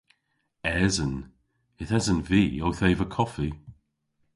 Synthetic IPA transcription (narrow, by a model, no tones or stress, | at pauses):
ɛzə̃n | ɪθɛzənviːowθeɪvəkʰɔfi